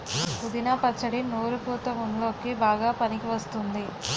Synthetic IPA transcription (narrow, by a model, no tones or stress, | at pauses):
pud̪inɐpɐt͡ʃːɐɽinoːɾupuːt̪ɐmunlo̞ːkibaːɡaːpɐnikiʋɐst̪und̪i